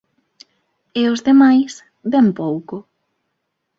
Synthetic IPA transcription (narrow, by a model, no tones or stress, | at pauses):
eʊzðemajs | bɛmpowkʊ